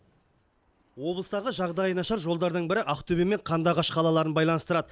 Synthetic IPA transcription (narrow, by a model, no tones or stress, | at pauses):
wo̞blˠəst̪ɑʁəʒɑʁd̪ɑjənɑʃɑɾʒo̞lˠd̪ɑɾd̪əɴbɪɾɪʔɑqt̪ʰɵbeme̞ɴqʰɑnd̪ɑʁɑʃqʰɑlˠɑlˠɑɾənbɑjlˠɑnəst̪əɾɑd̪ə